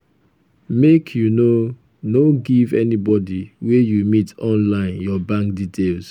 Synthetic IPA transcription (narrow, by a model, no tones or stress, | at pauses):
mekʰjuno | noɡivɛnibɔdiwejumitɔ̃nlãɪ̃njɔbãŋkditʰels